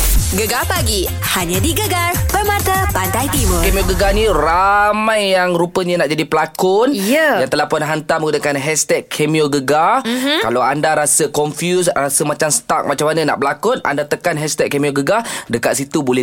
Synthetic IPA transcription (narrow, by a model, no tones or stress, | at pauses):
ɡəɡapaɡi | haɲãdiɡəɡarpərmãt̪apandajt̪iməkemioɡəɡanĩramãjːaŋɾupəɲanaʔd͡ʒadipəlakʊnjədant̪əlahpʊnɦant̪aməɡunəkanɦɛst̪ɛkʰːemioɡəɡakalawandaɾasəkɔnfjus̬rasəmat͡ʃamsə̥t̪ak̚mat͡ʃamanəna̰ʔbəlakʊna̰ndat̪əkanɦɛst̪ɛkːemioɡəɡadəkat̪sit̪ubolɛ